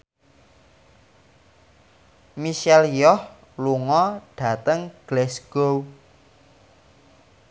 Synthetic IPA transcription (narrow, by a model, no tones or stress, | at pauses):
miʃɛljɔh | luŋɔɖ̥ä̤t̪əŋɡ̥lɛsɡ̥o